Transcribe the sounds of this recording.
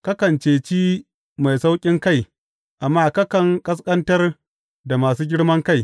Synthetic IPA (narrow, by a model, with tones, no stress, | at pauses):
kɐ˦kɐ˨nt͡ʃeː˨t͡ʃiː˦ | ma˨jsa˦wkʲʼɪ˦ŋka˦˨j | ʔa˨mːaː˦˨kɐ˦kɐ˨ŋkʼɐ˦s̬kʼɐ˦ntɐ˦r | da˨maː˨suː˦ɡʲɪ˦ɽmɐ˦ŋka˦˨j